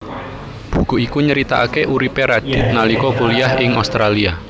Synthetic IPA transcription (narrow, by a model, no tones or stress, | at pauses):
b̥ṳkuʔikuɲəɾit̪aʔːkeʔuɾipeɾaɖ̥ɪ̤t̪̚nalikɔkuliahɪŋost̪ɾʔalia